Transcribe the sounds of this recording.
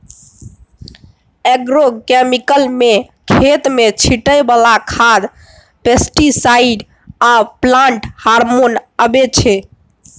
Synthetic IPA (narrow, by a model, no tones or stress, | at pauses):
ɛɡɾokemikəlme | kʰet̪met͡ʃʰiʈəjbalakʰad̪ | pesʈisaiɖ | aplaɳʈhaɾmonəbet͡ʃʰɛ